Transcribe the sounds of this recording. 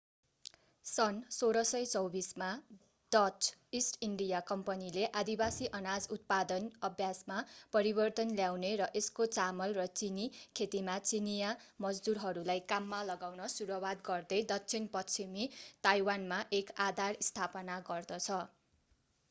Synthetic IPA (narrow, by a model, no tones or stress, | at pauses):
sʌnsoɾʌsʌjt͡sʌwbisma | d̪̥ʌt͡sisʈiɳɖijakʌmpʌnileʔad̪ibasiʔʌnad͡zut̪̚pad̪ʌnʌbʱjasmapʌɾibʌrt̪ʌnljawneɾʌʔeskot͡samʌlrʌt͡sinikʰet̪imat͡sinijamʌd͡zd̪uɾɦʌɾulajkamːalʌɡawnʌsuɾʌwad̪ɡʌrd̪ʌjd̪ʌk̚t͡sʰinpʌt͡sʰimit̪ajwanmaʔekad̪ʱarist̪ʰapʌnaɡʌrd̪ʌt͡sʰʌ